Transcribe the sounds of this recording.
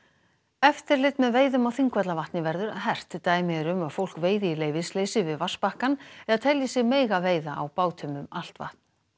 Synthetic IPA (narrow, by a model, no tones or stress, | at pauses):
ɛft̪ɪɾlɪt̪mɛðveːjðʏmawθiŋkvɛt̪lavaht̪nɪvɛɾðʏɾɦɛr̥t̪ːaːjmɪɾʏmaðfowl̥kveːjðɪɪleːjvɪsleːjsɪvɪðvar̥spahkanɛɾat̪ʰɛljɪsjɛɣmeːjɣaveːjðaa̰wpaːwt̪ʰœːmʏmal̥t̪va̰ht̪̚n̥